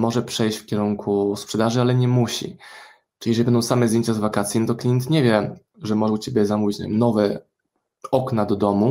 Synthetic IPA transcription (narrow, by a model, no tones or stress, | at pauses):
mɔʐɛpʂɛjɕt͡ɕfkʲɛɾuŋkʰuspʂɛd̪aʐɘalɛɲɛmuɕḭ | ʈ͡ʂɨ̥lʲiɛʐɛlʲibɛnd̪ɔ̃w̃samɛzd̪jeɲt͡ɕazvakat̪sʲjinɔt̪̬ɔklʲijɛnt̪ɲɛvʲjɛ | ʐɛmɔʐɛut͡ɕebʲjɛzamuvʲit͡ɕ̪a̰vʲmnɔvɛ | ɔknad̪ɔd̪ɔmu